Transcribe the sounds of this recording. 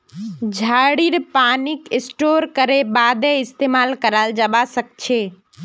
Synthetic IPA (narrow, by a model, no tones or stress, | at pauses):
d͡ʒʱaɽiɾpanikɪsʈoɾkəɾebad̪eɪst̪emalkəɾald͡ʒəbasək̚t͡ʃʰe